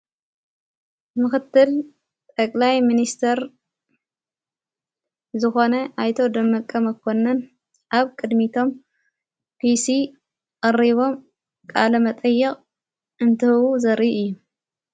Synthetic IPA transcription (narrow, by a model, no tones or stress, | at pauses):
mɨxɨt̪ːɨl | t̪ʼɐkʼlajminist̪ʰɐɾ | zɨxo̞nɐʔajt̪ʰod̪ɐmːɐkʼːɐmɐkʰːonːɐn | ʔaβkʼɨd̪mit̪ʰo̞m | pʰisi | ɐriβo̞m | kʼalɐmɐt̪ʼɐjːɛχʼ | ʔɨnt̪ʰɨhɨwuzɐɾiʔɨjːu